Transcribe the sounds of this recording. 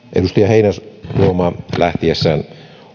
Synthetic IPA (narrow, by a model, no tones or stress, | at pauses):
ʔḛdust̪ɑjɑheinæruomɑːlæht̪iesːæːn